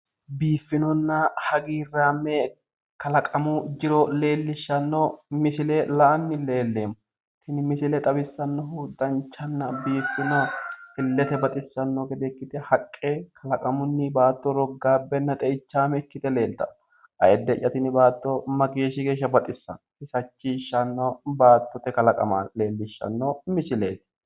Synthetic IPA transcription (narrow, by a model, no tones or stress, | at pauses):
biːfːɪnɔnːɐhɐɡiːrːaːmːɛ | kɐlɐkʼɐmʊd͡ʒɪɾɔle̞ːlːɪʃːɐnːɔmɪsɪlelɐʔɐnːɪle̞ːlːe̞ːmːʊ | t̪ɪnɪmɪsɪlɛt̪ʼɐbɪsːɐnːɔɦud̪ɐnt͡ʃːɐnːɐbiːfːɪnɐɪlːɛt̪ɛbɐt̪ʼɪsːɐnːɔɡɛd̪ɛɪkːɪt̪ɛhɐkʼːekʰɐlɐkʼɐmʊnːɪbaːt̪ːɔɾɔɡːaːbːɛnːɐt̪ʼɛɪt͡ʃːaːmɛɪkːɪt̪ɛle̞ːlt̪ɐ | ʔɐ̰jɛd̪ːɛʔːɐt̪ɪnɪbaːt̪ːɔmɐɡeːʃɪɡe̞ːʃːɐbɐt̪ʼɪsːɐ̰nhɪsɐt͡ʃːiːʃːɐnːɔbaːt̪ːɔt̪ɛkɐlɐkʼɐ̰maːle̞ːlːɪʃːɐ̰nːomɪsɪle̞̰ːt̪ɪ̥